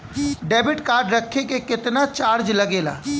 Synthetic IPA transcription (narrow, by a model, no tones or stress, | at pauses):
ɖɛːbɪʈkaːɾɖɾɐkʰːekekɪt̪nat͡ʃaːɾd͡ʒlɐɡeːla̰ː